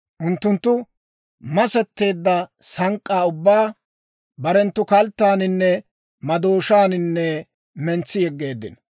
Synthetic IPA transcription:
ʔʊnt̪ːʊnt̪ːʊ | mɐsɛt̪ːe̞ːd̪ːɐsɐŋkʼːaːʊbːaː | bɐɾɛnt̪ːʊkɐlt̪ːaːnɪnːɛ | mɐd̪oːʃaːnɪnːɛ | mɛnt͡sːɪjɛɡːe̞ːd̪ːɪ̰n

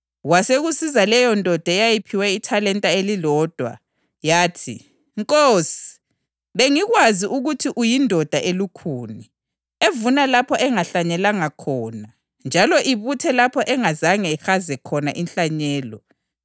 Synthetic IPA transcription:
waseɣusizalɛjɔndʱɔd̥ʱajajipʰiwaitʰalɛntʼaelilɔːd̥ʱwa̰ | jaːtʰḭ | ŋkʼoːsi̥ | βeŋiɣwaziʔuɣutʰiʔujindʱɔd̥ʱaʔelukʰuːni | evunalapʰɔʔɛŋaɬaɲɛlaŋakʰɔːna | nd͡ʒʱalɔʔiβutʰɛlapʰɔʔɛŋazaŋɛxazɛkʰɔnaʔinɬaɲɛːlɔ

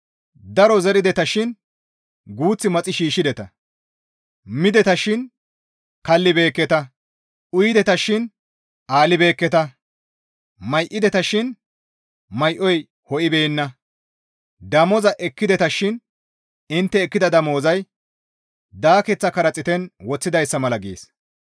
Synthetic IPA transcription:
d̪ɐɾɔzɛɾɪd̪ɛt̪ɐʃɪn | ɡuːt͡sːɪmɐt͡sʼːɪʃiːʃːɪd̪ɛt̪ɐ | mɪd̪ɛt̪ɐʃɪn | kɐlːɪbe̞ːkːɛt̪ɐ | ʔʊjɪd̪ɛt̪ɐʃɪn | ʔaːlɪbe̞ːkːɛt̪ɐ | mɐjʔɪd̪ɛt̪ɐʃɪn | mɐjʔɔj | hɔʔɪbeːnːɐ | d̪ɐmɔzɐʔɛkːɪd̪ɛt̪ɐʃɪn | ɪnt̪ːɛːkːɪd̪ɐd̪ɐmo̞ːzɐj | d̪aːkɛt͡sːɐkɐɾɐt͡sʼɪt̪ɛnwɔt͡sːɪd̪ɐjsːɐmɐlɐɡḛːs

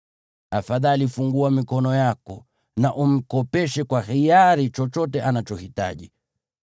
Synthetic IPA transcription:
afaðalifuŋɡuamikɔnɔjakɔ | naʔum̩kɔpɛʃɛkwaxijaɾit͡ʃɔt͡ʃɔtɛʔanat͡ʃɔhita̰ʄi

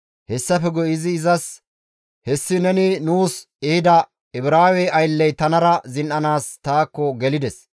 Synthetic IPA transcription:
hɛsːɐfɛɡɔjɪzɪːzɐs | hɛsːɪnɛnɪnuːs | ɛhɪd̪ɐ | ɪbɾaːwɛjɐjlːɛjt̪ɐnɐɾɐzɪnʔɐnaːst̪aːkːɔɡɛlɪd̪ɛs

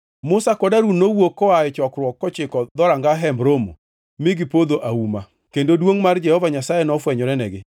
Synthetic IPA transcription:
mʊsakɔdaɾunowokːɔaɛt͡ʃɔkɾwɔkːɔt͡ʃɪkɔd̪ɔɾaŋɡaɦɛmbɾomo̰ | mɪɡɪpod̪oʔauma | kendodwoŋmard͡ʒɛhɔvaɲasajɛnɔfwɛɲɔɾɛnɛɡɪ

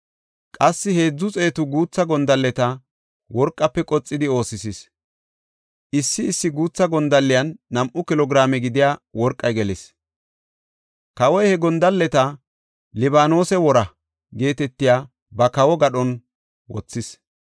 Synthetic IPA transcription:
kʼɐsːɪhe̞ːd͡zːʊt͡sʼe̞ːt̪ʊɡuːt͡sːɐɡɔnd̪ɐlːɛt̪ɐ | wɔɾkʼːɐpːɛkʼɔt͡sʼːɪd̪ɪo̞ːsɪsɪs | ʔɪsːɪːsːɪɡuːt͡sːɐɡɔnd̪ɐlːɪjɐnːɐmʔʊkɪlɔɡɾaːmɛɡɪd̪ɪjaːwɔɾkʼːɐjɡɛlɪs | kɐwɔjhɛɡɔnd̪ɐlːɛt̪ɐ | lɪbaːno̞ːsɛwɔɾɐ | ɡe̞ːt̪ɛt̪ːɪjaː | bɐkɐwɔɡɐɗɔn | wɔt͡sːɪs

